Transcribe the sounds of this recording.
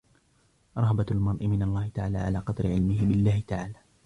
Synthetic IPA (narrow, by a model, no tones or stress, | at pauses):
ɾˤɑhbalmɑɾˤʔɪmɪnalˤːɑːhɪt̪aʕaːlaːʕalaːqɑd̪ɾɪʕɪlmɪɦɪbɪlːaːhɪt̪aʕaːlaː